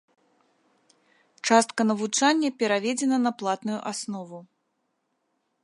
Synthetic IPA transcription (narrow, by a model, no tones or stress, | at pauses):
t͡ʂast̪̚kɐnɐvut͡ʂanʲːɐpʲɛɾavʲɛd͡zʲɛnɐnɐplˠat̪nujuʔasnɔvu